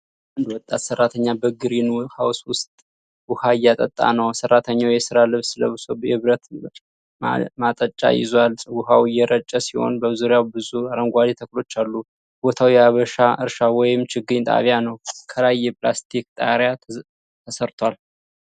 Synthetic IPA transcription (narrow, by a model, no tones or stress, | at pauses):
ʔand̪wɔt̪ʼːat̪sərːat̪ʰəɲːabəɡɨɾinhawswʊst̪ʼ | wʊhajat̪ʼət̪ʼːa̰nəwsərːat̪ʰəɲːawjɛsɨɾalɨβsɨləβɨso̞bjɛɨβɾət̪ | mat̪ʼət͡ʃʼːa̰jɪ̰zwalʼwʊhawjɛɾət͡ʃʼːəsiho̰nbəzuɾijawbɨzuaɾəŋɡʷad̪et̪ʰəklo̞t͡ʃːalːu | b̥o̞t̪ʰawjaβəʃaʔɨɾʃawɔjɪmt͡ʃʰɪɡɨɲt̪ʼa̰βjanəwkʰəlajːɛplast̪ʰik̚t̪ʼa̰ɾja | t̪ʰəsəɾt̪ʰwal